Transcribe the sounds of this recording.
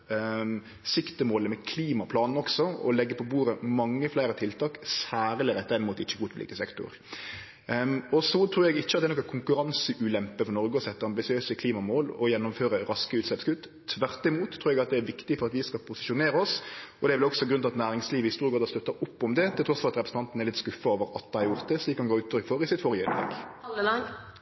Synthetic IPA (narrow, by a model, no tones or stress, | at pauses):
sɪkt̪əmoːləmɛkʰliːmɑpʰlɑːnn̩ɔksɔɔ̰lɛɡːəpʰɔbuːɾəmɑŋːəflæɪɾət̪ʰɪlt̪ʰɑːksæːɾəlɪɾɛt̪ːəɾɛnmuːt̪ɪçːəɡuːt̪lḭːkəsɛkt̪ʊ̰ɾ | ɔsɔt̪ʰɾuːɾjɛɡɪçːəɑt̪d̪ɛnɔkːækʰʊŋkʉɾɑnsəʔʉːlɛmpəfɔɾnɔɾɡəɔsɛt̪ːəɾɑmbɪsɪøːsəkʰliːmɑmoːlɔjɛnːʊmføːɾəɾɑskəʉːt̪sɛpskʉt̪ː | t̪ʰːʋæʁt̪ːɪmuːt̪ʰːɾuːɾɛɡɑt̪̚d̪ɛæɾʋɪkt̪ɪfɔɾɑt̪ʋɪskɑlpʰʊsɪʃʊneːɾəɔsɔd̪ɛɾʋɪlɔksɔɡɾʉnʰɑt̪næːɾɪŋsliːʋəɪst̪uːɾɡɑːd̪ɑst̪œt̪ːɑʔʊpːɔmd̪ɛt̪ʰɪlt̪ɾɔsfɔɾɑt̪ɾɛpɾəsn̩t̪ɑnt̪ənɛɾlɪt̪skʉfːɑoːʋəɾɑt̪̚d̪æɪhɑɾjʊɾt̪̚d̪ɛsliːkːɑnɡɑːʉːt̪ʰɾʏkfɔɾɪsɪt̪fɔɾjəɪnblɛ̰k